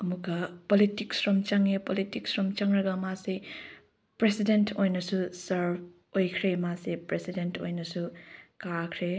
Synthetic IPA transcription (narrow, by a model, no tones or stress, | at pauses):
ɐmukɐpolitiksɾɔmt͡ʃaŋepolitiksɾɔmt͡ʃaŋɾɐɡɐmase | pɾesidentʰojnɐsusɐɾb | ojkʰɾemasepɾesidentʰo̰jnɐsukakʰɾe